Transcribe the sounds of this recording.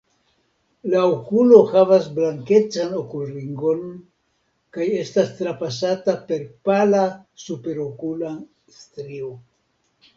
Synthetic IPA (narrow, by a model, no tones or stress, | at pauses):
laokulo̞havasblaŋke̞t͡sano̞kuriŋɡo̞n | kaje̞stastɾapasatape̞ɾpalasupe̞ɾokulan | stɾio